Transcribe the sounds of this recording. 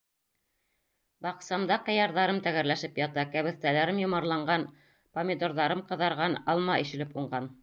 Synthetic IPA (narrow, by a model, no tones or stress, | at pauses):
bɑqsɑmd̪ɑqɤ̆jɑɾðɑɾɤmt̪æɣæɾlæʃɘpjɑt̪ɑkæβɘ̆θt̪ælæɾɘmjŏmɑɾlˠɑɴɢɑn | pomʲɪd̪oɾðɑɾɤmqɤ̆ðɑɾʁɑnɑlˠmɑʔḭʃɘ̆lɘpuɴɢɑn